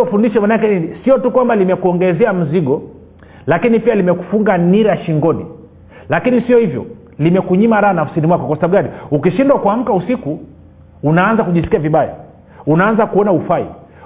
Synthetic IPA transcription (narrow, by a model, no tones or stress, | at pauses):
fundiʃɔmanaakɛnisiɔtukwambalimɛkuɔŋɡɛzɛam̩ziɠɔ | lakinipialimɛku̥fuŋɡaniɾaʃiŋɡɔnḭ | lakinisiɔhivjɔ̰ | limɛkuɲimaɾaanafsinimwakɔkwasaɓaɓuɡaliukiʃindwakuam̩kausiku | unaanzakuʄisi̥kiaviɓaja̰ | unaanzakuɔnaufaḭ